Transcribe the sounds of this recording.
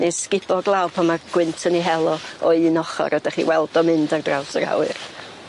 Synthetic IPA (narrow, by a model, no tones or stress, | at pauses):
neskɪb̥ɔɡlˠawpʰɔmaɡ̥wɪntʰəniɦɛlˠɔɔnɔχɔ̰ɾɔdaχḭwɛlˠdɔmɨndardrawsəɾa̰wɨ̰r